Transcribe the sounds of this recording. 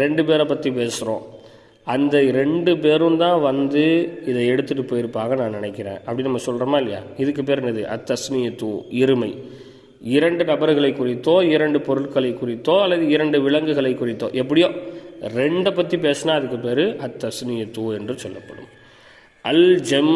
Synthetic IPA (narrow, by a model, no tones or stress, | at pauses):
ɾɛɳɖɯpeːɾɐpːɐt̪ːipeːsɯɾõ̰ː | ɐnd̪ɐɾɛɳɖɯp̬eːɾɯmt̪ãːʋɐnd̪ɯɪðɐɛɽɯt̪ːɯʈːɯpɔjɪɾpːaːɣɐnãːnɪnɐɪkːɪɾḛ̃ːʔɐpːɐɽinɐmːɐsɔlrɐmaːɪlːɐja̰ːɪðɯk̬ːɯp̬eːɾɛnɐðɯʔɐ̰t̪ːɐsnɪjɐt̪ːuːɪɾɯmɐɪ | ɪɾɐɳɖɯnɐbɐɾɯɣɐɭɐɪkːʊrɪt̪ːõːɪɾɐɳɖɯpɔɾɯɭkɐɭɐɪkːʊrɪt̪ːoːɐlːɐðɯɪɾɐɳɖɯʋɪɭɐŋɡɯɣɐɭɐɪkːʊrɪt̪ːo̰ːʔɛp̬ːɐɽɪjoːɾɛɳɖɐp̬ːɐt̪ːipeːsnaːɐðɯk̬ːɯpeːɾɯʔɐt̪ːɐsnɪjɐt̪ːuːɛndrɯsɔlːɐpːɐɽɯ̰m | ʔɐld͡ʒɛm